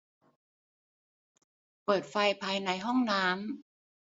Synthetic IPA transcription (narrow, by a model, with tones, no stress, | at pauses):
pɤː˨˩t̪̚fa˧jpʰaː˧jna˧jɦɔ˥˩ŋnaː˦˥m